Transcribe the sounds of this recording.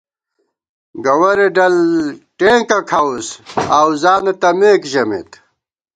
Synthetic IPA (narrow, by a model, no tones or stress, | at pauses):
ɡɐwɐɾeɖɐlʈẽːkɐkʰawsawzaːnet̪ɐmeːkʑɐmḛt̪